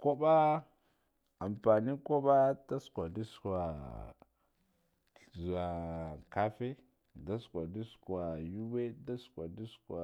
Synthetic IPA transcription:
ko˦ba˦ | a˨mpa˨ni˦ko˦ba˦ta˦skʷa˨di˦ska˨ | zu˨a˨ka˦fe˦ | da˦skʷa˨di˦ska˨ju˦we˦da˦skʷa˨di˦skwa˨

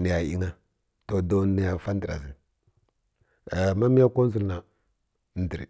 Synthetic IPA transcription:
ni˨ja˨i˦ŋa˦ | to˨do˦ni˨ja˨fa˦n˦di˨ɾa̰˨zi˦˨ | ma˦mi˦ja˦ko˦n˦zu˦lna˨ | n˦di˨ɾḭ˨

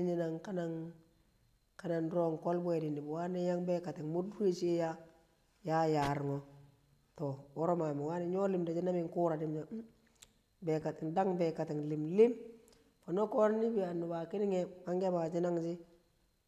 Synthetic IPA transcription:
i˦ɲi˦na˨ŋka˦na˦ŋ | ka˦na˨nɾo˦ŋko˦lbwe˨di˨ni˨bwa˦nɛ˦ja˦ŋbe˦ka˨ti˨ŋmu˦du˦e˦t͡ʃi˦ja˦ | ja˦ja˨ɾŋo˨ | to˨wo˦ɾo˦ma˨mi˨wa˦ne˨ɲo˦li˦mda˨d͡ʒi˦na˦mi˦ŋku˦ɾa˨di˦md͡ʒa˨˦ | be˨ka˨tɪ˨nda˦ŋbɛ˨ka˨ti˨ŋli˨mli˦m | po˨no˦ko˦ɾni˦bi˨a˨nːu˨ba˨ki˦ni˦ŋe˦ma˦ŋɡe˦ba˨d͡ʒi˦na˦ŋd͡ʒi˦

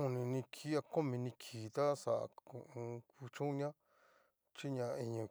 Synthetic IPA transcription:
ũ˧nĩ˧nĩ˧kʰi˦a˧ko˦mĩ˧nĩ˧kʰiː˨t̪a˦sa̰˨˧˨u˧ũ˧ku˧t͡ʃũ˦ɲã˦ | t͡ʃi˦ɲã˧i˧ɲũ˧˨

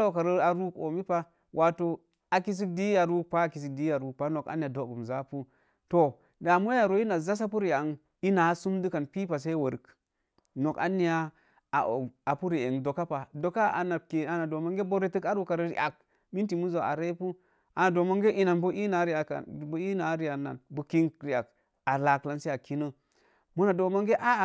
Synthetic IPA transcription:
o˦˨ka˨ɾi˦a˨ɾu˦ko̰˨mi˦pa˦ | wʔa˨to˦ | a˨ki˦s̬i˦di˦ja˨ɾu˦k̚pa˦a˨ki˨s̬i˨di˦ja˨ɾu˨k̚pa˦no˨ka̰˨ni˨a˨do˨ɡu˨mza˦pu˦ | to˨ | da˨mu˦a˨ɾo˨˦i˦na˨za˦s̬a˦pu˦ɾi˨a˨ŋ | i˦na˨˦su˦mdu˦ka˨npi˦pa˨s̬e˦wo˨ɾk | no˨ka̰˦ni˨ja˦ | a˨o˨a˨pu˦ɾi˨e˨ŋdo˨ka˦pa˨do˨ka˦a̰˨na˨ke˨a˨na˨do˨mo˦ŋɡe˦bo˦ɾe˦tɨ˦ka˦ɾu˨ka˨ɾɾḭ˦˨ʔa˨k̚ | mi˦nti˨mu˦zo˨a̰˨ɾe˦pu˦ | ʔa˨na˨do˨mo˦ŋɡe˦ʔi˦na˨nbu˦ʔi˦na˨˦ɾi˦a˨a̰˨bu˦i˦na˨˦ɾi˦ja˨nːa̰˨nbu˨ki˦ŋɾi˨a˨k | a˨la˨kla˦nse˦a˨ki˦nə˦ | mu˦na˨do˨mo˦ŋɡe˦ʔa˦˨

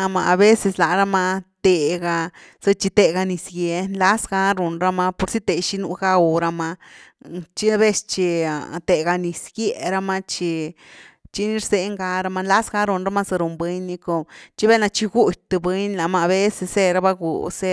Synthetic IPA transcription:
a˧ma˧a˧be˦se˧sla˨ɾa˦ma˧t̪e˧ɡa˧ | sɨ˧t͡ʃi˧t̪e˧ɡa˧ni˧sɡje˧nla˦sɡa˧ɾu˨nɾa˦ma˧po˧ɾsi˦t̪e˨ʃi˦nu˧˦ɡa˦˧ɾa˧ma˧ | t͡ʃi˦be˦st͡ʃi˧t̪e˨ɡa˧ni˧sɡje˧˨ɾa˦ma˧t͡ʃi˧ | t͡ʃi˦ni˦ɾse˧˦ŋɡa˧ɾa˧ma˧nla˦sɡa˧˦ɾu˨nɾa˦ma˦sa˧ɾu˨mbe˦ɲni˧ko˧t͡ʃi˦be˦na˧t͡ʃi˧ɡu˦t̚ʲt̪ɨ˧be˦ɲla˨maː˧˨be˦se˧se˦˧ɾa˦ba˧ɡṵ˨se˧

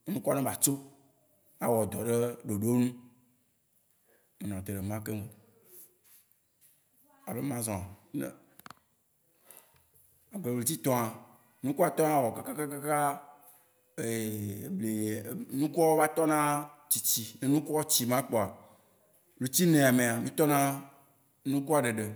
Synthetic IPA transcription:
e˦nũ˦ku˦a˦nẽ˦ba˨t͡ʃo˦ | a˨wɔ˨d̪ɔ˨ɖe˦ɖo˨ɖo˦nũ˦ | me˨nɔ̃˨t̪e˨ɾe˨mã˦ke˦me˨ | a˨be˦mã˦zɔ̃˨nḛ˨ | a˨ɡ͡ble˨ble˨t̪̬i˦t̪ɔ̃˦a˨ | nũ˦ku˦a˨t̪ɔ˦nã˦wɔ˨ka˦ka˦ka˦ka˦ka˦ | e˨ble˨nũ˦ku˦ɔ˦wo˦va˦t̪ɔ˦nã˦t͡ɕi˨t͡ɕi˨ne˨nũ˦ku˦ɔ˦t͡ɕi˨mã˦k͡pɔ˨a˨ | lu˨t͡ɕi˦nẽ˨a˨mẽ˨a˨mĩ˦t̪ɔ˦nã˦ | nũ˦ku˦a˨ɖe˨ɖe˨

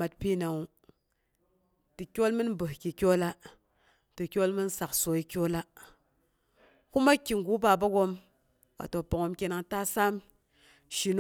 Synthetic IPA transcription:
ma˨t̚pi˦˨na˨ŋu˨ | ti˨kʲo˦lmɨ˦n˦bɨ˨hkʲi˨kʲo˦la˦ | ti˨kʲo˦lmɨ˦n˦sa˨kso˨i˨kʲo˦la˦ | ku˦ma˦kʲːi˨ŋ˨ɡu˨˦ba˨ba˦ɡo˧m | ka̰˨to˨po˨ŋo˧˦mkʲe˧na˧ŋta˦sa˦m | ʃi˨n˦

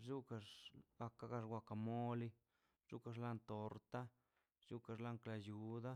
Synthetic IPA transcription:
ʐu˦ka˧ʂɡa˧ka˦ɡa˧ʂwʷa˧ka˧˨mo˦li˦ | t͡ʃu˦ka˧ʐ̬la˦nt̪o˨ɾt̪a˦ | ʐ̥u˦ka˧ʐla˦ŋkla˧ju˨d̪a˦

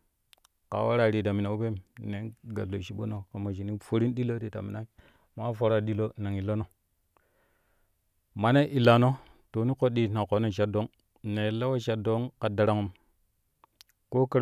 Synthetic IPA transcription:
ka̰˨wa˦ɾa˦˨ɾi˨ta˨mi˨na˨u˦pe˦mne˨˦nɡa̰˨lo˨ʃi˨˦ɓo̰˦no˨ka˨ma˨ʃi˨ni˦fo˦ɾi˦nɗi˦lo˦ɾi˨ta̰˨mi˨na˦i˦ | ma˦fo˨ɾa˦˨ɗi˦lo˦na˨ŋi˨lo˦no˨ | ma˨ne˦ʔi˨lːa˨no˦ | to˨ni˦ko˦ɗi˦na˨ko˨no˦˨ʃa˨do˦ŋ | ne˨la˦wa˦ʃa˨do˦ŋka˨da˨ɾa˨ŋo˦m | ko˦kə˦ɾ

